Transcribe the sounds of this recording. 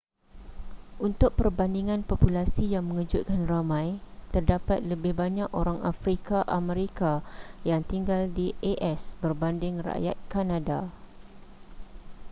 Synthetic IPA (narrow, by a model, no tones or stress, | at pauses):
ʔunt̪ʊk̚pərbandiŋãnpopulasijaŋmə̃ŋəd͡ʒʊt̪̚kanramãjt̪ərdapat̪̚ləbɪhbaɲãkoɾaŋafɾikaʔamə̃ɾikajaŋt̪iŋɡaldiʔeʔɛsbərbandɪŋra̰ʔja̰t̪̚kanãda